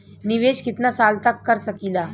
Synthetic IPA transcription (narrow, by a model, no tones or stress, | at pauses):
nɪʋeːʃkɪt̪nasaːlt̪ɐkːɐɾsɐkiːlaː